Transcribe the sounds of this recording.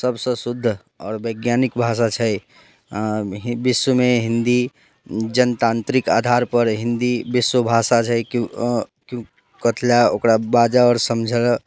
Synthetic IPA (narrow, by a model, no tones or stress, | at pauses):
səbsə̃sud̪ʱːə | ɔ̰ːɾbəjɡjanikbʱasat͡ʃʰəj | ɦbiswəmeɦind̪i | d͡ʒənt̪ant̪ɾika̰d̪ʱaɾpəɾɦind̪ibiswəbʱasat͡ʃʰəjk | kjũ | kət̪ʰljaokɾabad͡ʒaɔːɾsəmd͡ʒʱəl